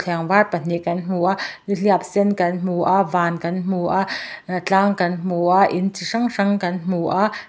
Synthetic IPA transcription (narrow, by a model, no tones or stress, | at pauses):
t͡ɬʰɛŋvarpɐn̥iʔkɐnm̥uʔaʔniɬiap̚sɛnkɐnm̥uʔaʔvaːnkɐnm̥uʔaʔt͡ɬaːŋkɐnm̥uʔaʔʔint͡siʂɐŋʂɐŋkɐnm̥uʔaʔ